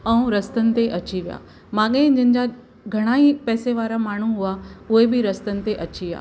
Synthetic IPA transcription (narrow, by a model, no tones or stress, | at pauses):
ɛũɾɐst̪ənɪ̆t̪eʔɐt͡ɕiʋija̰ː | mãːɠẽɪ̃d͡ʑɪnɪ̆d͡ʑa | ɡʱɐɽ̃aːipɛːseʋaːɾamaːɳ̤uɦʊaʊɦebɪɾɐst̪ənɪ̆t̪eʔɐt͡ɕia̰ː